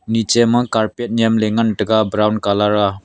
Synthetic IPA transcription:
nit͡ʃɛməkaɾpɛt̪̚ɲɛmlɛŋənɖəɡabɾawnkalaɾa

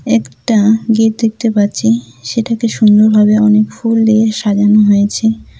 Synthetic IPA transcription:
ɛkʈaɡiʈ̚d̪ek̚t̪epaɾt͡ɕʰiʃeʈakeʃund̪oɾbʱabeɔnekfulːeʃad͡ʑanoɦojet͡ɕʰe

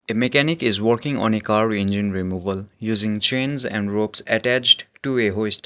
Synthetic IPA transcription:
emekænɪkɪzwəɾkɪ̃ŋɔ̰̃nekaːɾẽnd͡ʒĩnɾimuːʋəljuːzɪ̃ŋt͡ʃẽnzɛ̰̃ɳɖɾoːpsɛʈæt͡ʃɖʈueɦosʈ

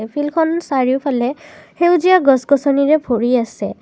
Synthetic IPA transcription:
pʰilkʰɔnsaɹiʊpʰalɛxewzijaɡɔsɡɔsɔniɹɛbʱoɹiasɛ

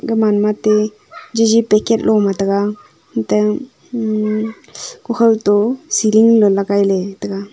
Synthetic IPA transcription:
ɡəmanmat̪e | d͡ʒid͡ʒipɛket̪̚lʔɔmat̪əɡa | tə | kɔkʰəlt̪ɔsiliŋlɔlaɡajlet̪əka

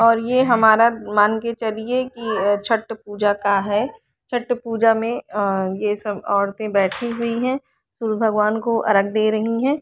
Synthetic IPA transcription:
ɔːɾjeɦɐmaːɾamaːnket͡ʃɐliekit͡ʃʰɐʈːpuːd͡ʒakaɦɛː | t͡ʃʰɐʈːpuːd͡ʒamẽjesɐbɔːɾt̪ẽbɛːʈʰiɦʊiɦɛ̃ː | suːɾbʱɐɡʋaːnkoʔɐ̰ɾəɡ̚d̪eːɾɐɦiɦɛ̃ː

